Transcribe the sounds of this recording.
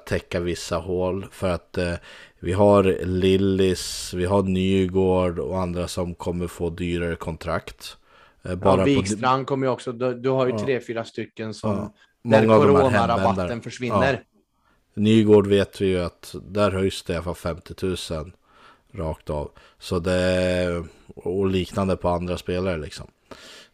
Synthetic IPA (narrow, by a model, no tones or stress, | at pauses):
t̪ʰːɛkːavɪsːahoːlfœɾat̪ | vɪɦaɾlɪlːɪsvɪɦaɳyːɡoːɖɔ̰and̪ɾasɔmkʰɔmːəɾfoːd̪yːɾaɾəkʰɔnt̪ʰɾa̰kt̪ | bɑːɾaiɾankʰɔmːəɾjɔksɔd̪d̪ɵhaɾjɵɾeːfyːɾast̪ʏkːənsɔm | mɔŋŋːaavɔɾmhnhɛaɾaɛbat̪t̪d̪aːənfœʂvɪnːəɾ | nyːɡoːɖveːt̪vɪjɵat̪d̪æɾɦœjsd̪ɛɪalafalfɛmt̪ɪt̪ʰʉ̟ːsən | ɾɑːkt̪ɑ̰ːv | sɔd̪ɛ | ɔliːknand̪əpʰɔand̪ɾaspeːlaɾəlɪ̰ksɔ̰m